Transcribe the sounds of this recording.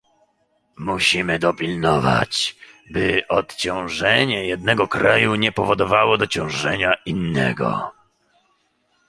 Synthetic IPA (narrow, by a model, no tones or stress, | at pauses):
muɕimɘd̪ɔpʲilnɔva̰t͡ɕ | bɘʔɔt̪t͡ɕɔ̃w̃ʐɛɲɛjɛd̪nɛɡɔkɾajuɲɛpɔvɔd̪ɔvawɔd̪ɔt͡ɕɔ̃w̃ʐɛɲainːɛ̰ɡɔ̰